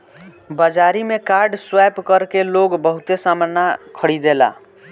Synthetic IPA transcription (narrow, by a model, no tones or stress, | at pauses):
bəd͡ʒaɾimekaɾɖswajpkəɾkeloɡbəɦut̪esamənːakʰəɽid̪ela̰